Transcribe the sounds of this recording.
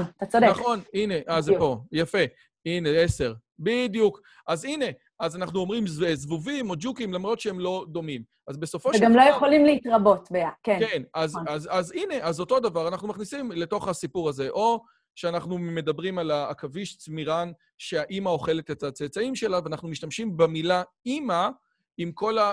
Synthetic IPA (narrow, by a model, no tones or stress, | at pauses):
t̪at͡sodenaχo̞nine̞ʔazpojafe̞ | ine̞ese̞ʁ | bidjuk | ʔazine̞ | ʔazanaχnuo̞mʁimzvezvuvimo̞d͡ʒukimlamʁo̞t̪ʃeemlo̞d̪o̞mim | azbe̞so̞foʃeɡamlojeχolimleitʁabo̞tbeakenkenazazazine̞ʔazo̞to̞davaʁanaχnumaχnisimle̞to̞χhasipuʁaze̞ʔo̞ | ʃeanaχnume̞dabʁimalaːkaviʃt͡smiʁan | ʃeaʔimao̞χe̞le̞t̪etat͡set͡saimʃe̞laveanaχnumiʃtamʃimbemila | ima | imko̞la